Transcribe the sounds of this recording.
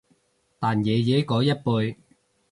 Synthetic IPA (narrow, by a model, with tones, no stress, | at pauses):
t̪aː˨njɛː˨˧jɛː˨˥jkɔː˨˥jɐ˥t̚puː˧j